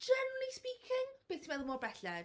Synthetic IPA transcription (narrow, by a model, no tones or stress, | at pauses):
ʒɛnlispiːkʰɪŋb̥eːθsʰimɛðəmɔbrɛɬɛ